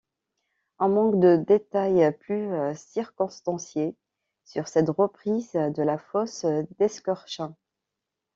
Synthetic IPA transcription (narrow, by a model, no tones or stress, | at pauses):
ɛ̃mɑ̃kd̪əd̪et̪ajplysiʁkɔ̃st̪ɑ̃sje | syʁsɛt̪ʁəpχizd̪əlafɔsd̪ɛskɔʁʃɛ̃